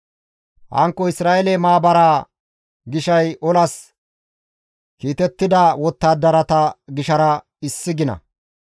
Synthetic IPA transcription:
hɐ̰ŋkːɔɪsɾaːʔelɛmaːbɐɾaː | ɡɪʃɐjʔɔlɐs | kiːt̪ɛt̪ːɪd̪ɐwɔt̪ːaːd̪ɐɾɐt̪ɐɡɪʃɐɾɐ | ɪsːɪɡɪnɐ̰

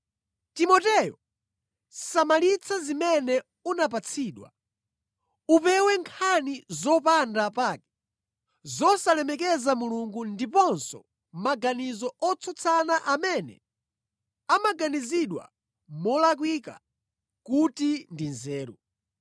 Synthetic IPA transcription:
timɔtɛjɔ | samalit͡sʰazimɛnɛ | unap̬at͡sʰiːɗwa̰ | upɛwɛŋkʰanizɔpandapaːkɛ̥ | zɔsalɛmɛkɛzamuluŋɡundipɔnsɔ̰ | maɡanizɔɔt͡sʰɔt͡sʰanaʔamɛnɛ̰ | amaɡaniziɗwa̰ | mɔlak̬wika̰ | kutindinzɛːɾṵ

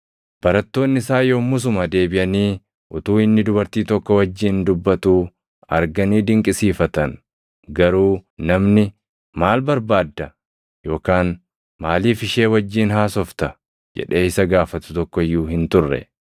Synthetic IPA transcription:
b̥ɐɾɐt̪ːo̞ːnːɪɪsaːjoːmʊs̬ʊmɐd̪e̞ːbɪʔɐniː | ʔʊt̪uːɪnːɪd̪ʊbɐɾt̪iːt̪ɔkːɔwɐd͡ʒːiːnd̪ʊbːɐt̪uː | ɐ̰ɾɡɐniːd̪ɪŋkʼɪsiːfɐt̪ɐn | ɡɐɾuːnɐmnɪ | maːlbɐɾbaːd̪ːɐ | jo̞ːkaːn | maːliːfɪʃe̞ːwɐd͡ʒːiːnɦaːsɔft̪ɐ | d͡ʒɛ̰ᶑe̞ːɪsɐɡaːfɐt̪ʊ̥t̪ɔkːɔɪjːuːhɪnt̪ʊrːɛ̰

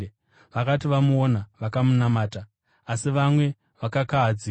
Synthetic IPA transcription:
ʋakatiʋamuonaʋakamunamaːtaː | siʋamwe̞ | ʋakakaːd͡zi

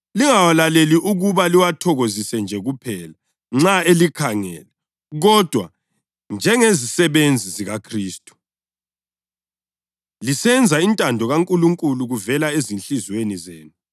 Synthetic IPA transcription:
liŋawalaleliʔuɣuβaliwatʰɔɣozisɛnd͡ʒʱɛɣupʰɛːla | ŋ͡ǁaelikʰaŋɛ̰lɛ | ɣɔd̥ʱwa | nd͡ʒʱɛŋezisɛβend͡zʱiziɣakʰriːstʼu̥ | lisɛnd͡zʱaintʼandʱɔɣaŋkʼuluŋkʼuluɣuvɛlaezinɬizwenizeːnu

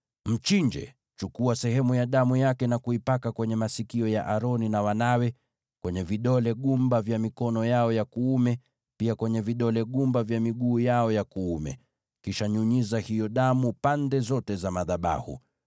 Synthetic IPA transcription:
m̩t͡ʃiɲd͡ʒɛ̰ | t͡ʃukuasɛhɛmujaɗamujakɛnakuipakakwɛɲɛmasikiɔjaʔaɾɔninawanawɛ | kwɛɲɛviɗɔlɛɠumbavjamikɔnɔjaɔjakuumɛ | piakwɛɲɛviɗɔlɛɠumbavjamiɠuːjaɔjakuumɛ̰ | kiʃaɲuɲizahijɔɗamupandɛzɔtɛzamaðaɓa̰hṵ

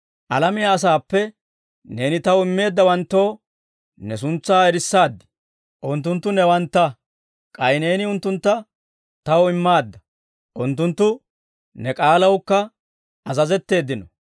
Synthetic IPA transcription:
ʔɐlɐmɪjaːs̬aːpːɛ | ne̞ːnɪt̪ɐwɪmːe̞ːd̪ːɐwɐnt̪ːo̞ː | nɛsʊnt͡sːaːɛɾɪsːaːd̪ːɪ̥ | ʔʊnt̪̬ːʊnt̪ːʊnɛwɐnt̪ːɐ | kʼɐjne̞ːnɪʊnt̪ːʊnt̪ːɐ | t̪ɐwɪmːaːd̪ːɐ | ʔʊnt̪ːʊnt̪ːʊ | nɛkʼaːlɐwkːɐ | ɐzɐzɛt̪ːe̞ːd̪ːɪnɔ

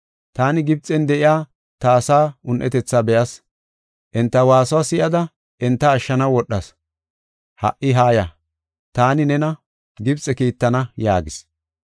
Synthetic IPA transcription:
t̪aːnɪɡɪb̚t͡sʼɛnd̪ɛʔɪjaː | t̪ɐːsaːʊnʔɛ̰t̪ɛt͡sːabɛʔɐs | ʔɛnt̪ːɐwaːswaːsɪjɐd̪ɐ | ʔɛnt̪ːɐːʃːɐnɐwɔɗːɐs | hɐ̰ʔːɪɦaːjɐ | t̪aːnɪnɛnɐ | ɡɪbt͡sʼːɛkiːt̪ːɐnɐja̰ːɡɪs

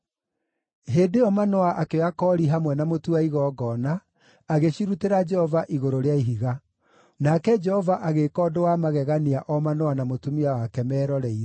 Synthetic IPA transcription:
ɦeːdeɔmanɔaʔakeakɔːɾiɦamwɛnamotuaiɣɔːɡɔnaː | ɣeɕiɾuteɾad͡ʒɛhɔvaʔiɣoɾoɾeaiɦiɣa | nakɛd͡ʒɛhɔvaʔaɣekɔːdowamaɣɛɣaniaʔɔmanɔanamotumiawakɛmɛːɾɔɾɛi

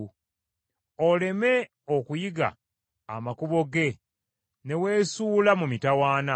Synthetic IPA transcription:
ole̞me̞ | okujiɡa̰ː | makuβo̞ɡe̞ | ne̞we̞ːsuːlamumitawaːna

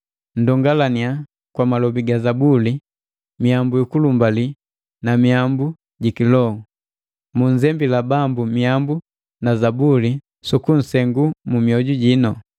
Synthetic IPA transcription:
n̩dɔŋɡalania | kwamalɔbiɡazabuli | miambujukulumbali | namiambu | ɟikilɔu | muɲzɛmbilabambumiambu | nazabuli | sukun̩sɛŋɡumumiɔɟuɟinɔ

